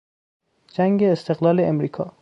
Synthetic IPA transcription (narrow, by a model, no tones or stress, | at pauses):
d͡ʒæŋɡeːst̪ʰe̞ɣlɒːleːmɾiːkʰɒː